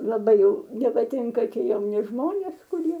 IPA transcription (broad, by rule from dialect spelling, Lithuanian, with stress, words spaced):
lˠɐˈbɐɪ jɛʊ nʲɛpɐˈtʲɪŋkɐ ˈtʲiɛ jɛʊˈnʲɪ ˈʒmoːnʲeːs kʊˈrʲiɛ